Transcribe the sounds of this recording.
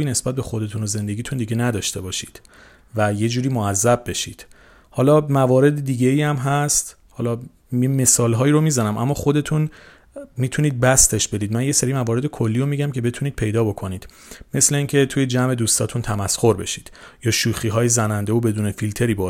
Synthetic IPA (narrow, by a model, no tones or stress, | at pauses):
iːne̞sbæt̪̚be̞xo̞d̪e̞t̪ʰunoze̞nd̪e̞ɡiːt̪ʰund̪iɟenæd̪ɒːʃt̪e̞bɒːʃḭːd̪̥ | væje̞d͡ʒuːɾiːmoæzːæb̚be̞ʃiːd̪̥ | hɒːlɒːmævɒːɾe̞d̪id̪iːɟe̞iːæmɦæst̪ | hɒːlɒː | me̞sɒːlɦɒːiːɾo̞miːzænæmʔæ̰mːɒːxo̞d̪e̞t̪ʰun | mit̪ʰuniːd̪̚bæst̪e̞ʃb̥e̞d̪iːd̪mænje̞seɾiːmævɒːɾe̞d̪ekʰo̞lːiːjomiɟæmcʰe̞be̞t̪ʰuniːd̪̚pʰe̞jd̪ɒːbo̞kʰo̞niːd̪̥ | mesle̞iːŋcʰe̞t̪ʰuːjed͡ʒæme̞d̪uːst̪ɒ̰ːt̪ʰunt̪ʰæmæsxo̞ɾbe̞̰ʃiːd̪̥jɒːʃuːxiːɦɒːjezænænd̪eobe̞d̪uːnefilt̪ʰe̞ɾiːbɒ